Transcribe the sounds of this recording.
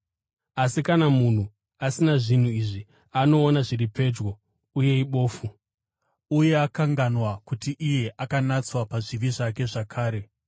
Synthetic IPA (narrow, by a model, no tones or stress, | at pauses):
asikanamun̤u | asinaʐin̤uiʐi | ano̞ːnaʐiripe̞d͡ʒwo̞ | uje̞iɓo̞ːfu | uje̞akaŋɡanwakutiʔije̞ʔakanat͡swapaʐiʋiʐake̞ʐakʰaːɾe̞